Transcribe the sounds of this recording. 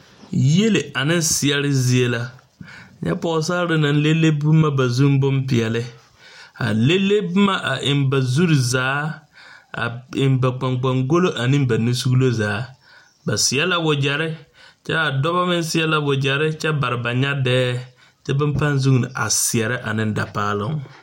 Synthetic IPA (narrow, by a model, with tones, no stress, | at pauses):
je˦le˨a˨nɪ˦n˦sɪ˨ɛ˨ɾɪ˦zɪ˦e˦la˦˨ | ɲʔɛ̰˦pɔ˨˦s̬aː˦ɾɪ˦na˨n˦le˦le˦bu˦ma˦ba˨zu˦ŋ˦bʊ˦mpɪ˨ɛ˨lɪ˦ | a̰˨le˦lːe˦bʊ˦ma˦ʔa˨ʔɪ˨mba˨zu˦ɾzaː˦ | a̰˨ɪ˨mba˨k͡pa˨ŋk͡pa˨ŋɡo˦lo˦ʔa˨nĩ˦m˦ba˨nu˦su˦ɡlo˦zaː˨˦ | ba˨sɪ˨ɛ˦la˦wʊ˨d͡ʒɛ˨ɾɪ˦t͡ʃɛ˦a˨dɔ˦ba˦mɪ˦n˦sɪ˦ɛ˦la˦wʊ˨d͡ʒɛ˨ɾɪ˦t͡ʃɛ˦ba˨ɾɪ˨ba˨ɲa˦dɛː˦ | t͡ʃɛ˦bɪ˦m˦pa˦n˦zu˦ŋn˨ʔa̰˨sɪ˨ɛ˨ɾɪ˦ʔa˨nɪ̃˦nda̰˨paː˦lɪ˦ŋ